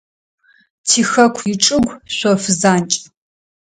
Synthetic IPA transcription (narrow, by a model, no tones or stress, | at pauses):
tʰiːxɐkʷʰjɪʈ͡ʂʼɨɡʷɕʷɔfɨzaːnt͡ʃʼ